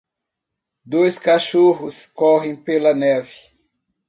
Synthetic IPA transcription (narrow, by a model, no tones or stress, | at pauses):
d̪ojskaʃoɦʊskɔɦẽj̃pelɐnɛvɪ̥